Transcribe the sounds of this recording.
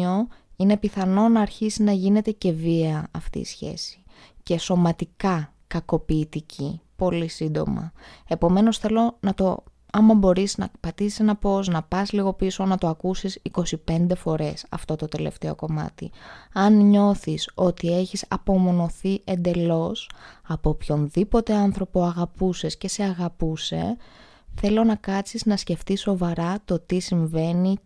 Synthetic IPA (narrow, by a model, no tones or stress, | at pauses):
oine̞piθɐno̞nɐːɾçisiznɐʝine̞t̪e̞ce̞viɐɐft̪ḭḭːsçe̞̰si̥ | ce̞so̞mɐt̪ikɐ | kɐko̞piːt̪icʰipo̞lisind̪o̞̰mɐ̰e̞po̞me̞no̞sθe̞lo̞nɐt̪o̞̰ | ɐmɐbo̞ɾisnɐ̰pɐt̪isi̥se̞nɐpo̞znɐpɐsliɣo̞piso̞nɐt̪o̞ɐkusisiko̞sipe̞nd̪e̞fo̞ɾe̞sɐ̰ft̪o̞t̪o̞t̪e̞le̞̰ft̪eo̞̰ko̞mɐ̰t̪ḭɐnɲo̞θiso̞t̪ie̞çisɐ̰po̞mo̞no̞θiʔe̞nd̪e̞lo̞sɐpo̞pço̞nðipo̞t̪e̞ɐnθɾo̞poɐɣɐpusesce̞se̞ɐɣɐpuse̞̰ | θe̞lo̞nɐkɐt͡siznɐsce̞ft̪iso̞vɐɾɐt̪o̞t̪isiɱve̞ni